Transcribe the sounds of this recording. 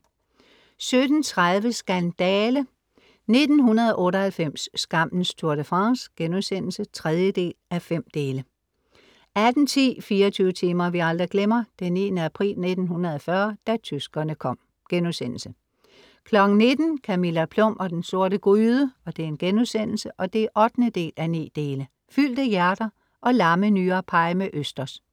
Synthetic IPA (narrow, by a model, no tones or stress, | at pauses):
sød̥n̩t͡sʰʁaðˠʋəsɡ̥ænd̥ɛːlə | ne̝d̥n̩ɦunɐðˠɒʔɔ̽ːɾɒhælfem̰sːɡ̥ɑ̈m̰n̩st͡sʰuɐɾ̥əfʁɑ̈ŋsɡ̥enusen̰l̩sət͡sʰʁɛð̞ˠjəd̥e̝̰ːlæfem̰d̥e̝ːlə | æd̥n̩t͡sʰḭːfiːɐɒt͡sʰyːʊət͡sʰiːmɐʋiɑ̈ld̥ʁiɡ̥lemɐd̥enːḭːnəæpʰʁḭːlne̝d̥n̩hunʁɐðˠɒfɶɐd̥æt͡sʰysɡ̥ɐnəkʰɒ̽m̰ | ɡ̥enusen̰l̩sə | kʰlɒ̽ɡ̥ŋ̩ne̝d̥n̩kʰæmilæpʰlɔ̽m̰ɒ̽d̥enso̝ɐ̰ɾəɡ̥ʁyːðˠəɒ̽d̥e̝e̝nɡ̥enusen̰l̩səʔɒ̽d̥e̝æʔɒ̽d̥nəd̥e̝̰ːlʔænḭːd̥e̝ːlə | fyl̰d̥əjæɐd̥ɐ | ʔɒ̽lɑ̈mənyːɐpʰɑ̈ɪmeʔøsd̥ɐs